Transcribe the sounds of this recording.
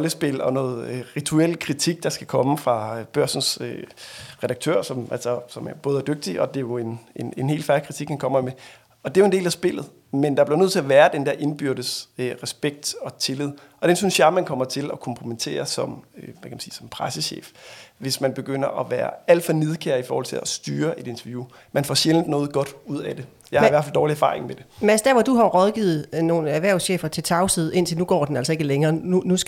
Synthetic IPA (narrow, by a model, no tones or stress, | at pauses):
ʁɒ̽ləsb̥e̝lɒ̽nɔ̽ːð̩ˠʁit͡sʰuel̰kʰʁit͡sʰiɡ̥̚d̥ɑ̈sɡ̥ækʰɒ̽məfʁɑ̈b̥ɶɐsn̩søʁɛd̥ɑ̈ɡ̥̚t͡sʰø̰ɐ̰sɒ̽mʔælsɒsɒ̽mæɐb̥ɔːð̞ˠæɐd̥øɡ̥̚d̥iɒ̽d̥e̝jo̝e̝nenenhe̝̰ːlfæɐlikʰʁit͡sʰiɡ̥hænkʰɒ̽m̰ɐme | ɒ̽d̥e̝joende̝̰ːlæsb̥e̝l̰ð̩ˠ | mend̥ɑb̥liɐøð̰ˠt͡s̝ʰɒʋæːɐd̥end̥ɛɐʔe̝nb̥yɐd̥əsøʁɛsb̥eɡ̥̚d̥ɒ̽t͡sʰe̝lið̞̰ˠʔɒ̽d̥ensynsjɑ̈ɪmænkʰɒ̽mɐt͡sʰe̝lɒ̽kʰɒ̽mpʰʁumet͡sʰe̝̰ːɐsɒ̽mʋækʰæmænsiːsɒ̽mpʰʁasəɕḛːfʋe̝smænb̥e̝ɡ̥øn̰ɐʔɒʋæːɐæl̰d̥fɒ̽ne̝ð̞ˠkʰeɐifɒːhɒ̽lt͡sʰe̝læsd̥yːɐʔe̝de̝nt͡sʰɐʋju | mænfɒɕelnd̥nɔ̽ːð̩ˠɡ̥ɒ̽d̥uð̞̰ˠæd̥e̝ | jɑ̈ɪhɑiʋæɐfæld̥ɒːliæɐfɑ̈ːʁeŋmed̥e̝mæsd̥æɐʋɒd̥uɦɑ̈ʁɒðˠɡ̥iːð̞̩ˠno̝ːnæɐʋæɐ̰ʊsɕḛːfɐt͡sʰe̝lt͡sʰɑ̈ʊsið̞ˠe̝n̰t͡sʰe̝lnuɡ̥ɒ̰ːd̥enæl̰sɒ̽e̝ɡ̥əleŋɐːunus